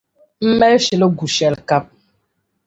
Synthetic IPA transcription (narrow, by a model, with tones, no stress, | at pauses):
m̩˦mɛ˦ʃi˨lə˦ɡu˨ʃɛ˨lka˦p̚